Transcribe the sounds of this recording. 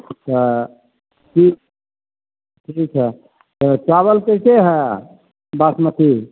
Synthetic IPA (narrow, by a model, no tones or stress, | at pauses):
t̪ɔ | kik | ʈʰikt͡ʃʰɛ | t̪ət͡ʃaβəlkəkeɦɛ | basmət̪ʰi